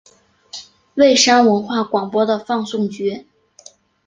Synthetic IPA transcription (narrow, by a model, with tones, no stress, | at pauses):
we˥˩ɪʂa˥nwə˧˥nxwa˥˩kwɑ˨˩ŋpwɔ˥d̪ə˨fɑ˥˧ŋsʊ˥˩ŋt͡ɕɥɛ˧˥